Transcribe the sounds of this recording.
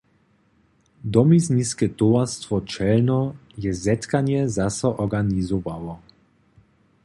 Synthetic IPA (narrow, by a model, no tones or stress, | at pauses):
d̪ɔmizniskɛt̪oast̪vɔt͡ʃɛlnɔjɛzɛt̪kanjɛzasɔʔɔɡanizovavɔ